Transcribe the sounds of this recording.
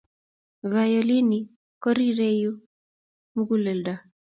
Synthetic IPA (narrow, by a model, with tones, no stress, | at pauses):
va˨jɔ˨li˦ni˨ | kɔ˦ɾi˦ɾe˦ju˦ | mu˦ɡu˦lɛ˨lda˨